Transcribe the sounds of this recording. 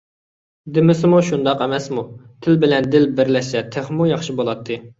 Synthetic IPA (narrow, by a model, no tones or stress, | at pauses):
d̪ɪmɪsɪmuʃund̪ɑqɛmɛsmut̪ʰɪlbɪlɛnd̪ɪlbɪɾlɛʃsɛt̪ʰeχmujɑχʃibolˠɑt̪ʰːɨ